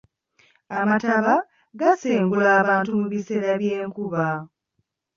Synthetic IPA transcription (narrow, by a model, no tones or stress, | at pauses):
amataβa | ɡaseːŋɡulaːβaːntumuβiseɾaβje̞ːŋkuβa